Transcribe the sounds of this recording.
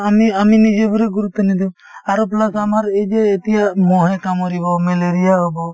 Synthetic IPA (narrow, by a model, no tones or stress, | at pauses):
amiaminid͡ʒebɔɾɛɡuɾut̪ːɔnid̪u | aɾɔplasamaɾed͡ʒeːt̪ijaʔmɔɦɛkamɔɾibɔmɛleɾijaɦɔbɔ